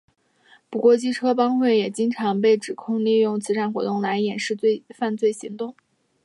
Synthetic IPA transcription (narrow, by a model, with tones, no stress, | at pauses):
pu˨˩kwɔ˥˩t͡ɕi˥ʈ͡ʂʰɤ˥pɑ˥ŋxwe˥˩ɪjɛ˨˩t͡ɕi˥ŋʈ͡ʂʰɑ˧˥ŋpe˥˩ɪʈ͡ʂɻ̩˨˩kʰʊ˥˧ŋli˥˧jʊ˥˩ŋt͡sʰɹ̩˧˥ʈ͡ʂʰa˥˩nxwɔ˧˥t̪ʊ˥˩ŋla˧˥ɪjɛ˨˩nʂɻ̩˥˧t͡swe˥˧ɪfa˥˧nt͡swe˥˩ɪɕi˧˥ŋt̪ʊ˥˩ŋ